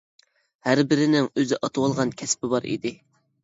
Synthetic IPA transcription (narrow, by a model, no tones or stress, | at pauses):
hæɾbɪɾɪnɪŋøzɪʔɑt̪ʰuwɑlˠʁɑnkʲʰɛspɪbɑɾḭd̪ɪ